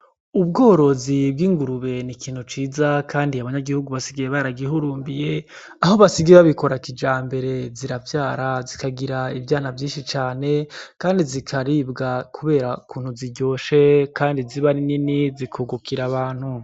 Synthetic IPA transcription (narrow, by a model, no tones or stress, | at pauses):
ubɡo̞ːɾo̞zib̚ɡiːŋɡuɾuβe̞nikʰiːn̥hut͡ʃiːzakʰaːndiaβaɲaɡihuɡuβasiɡijeβaɾaɡiɦuɾuːmbije̞ | aɦo̞βasiɡieβaβiko̞ɾakid͡ʒaːmbe̞ɾe̞ziɾavjaːɾazikaɡiɾaivjaːnavjiːnʃit͡ʃaːne̞kaːndizikʰaɾibɡakʰuβe̞ːɾakʰuːn̥huziɟo̞ːʃekaːndiziβanininizikʰuɡukʰiɾaβaːn̥hu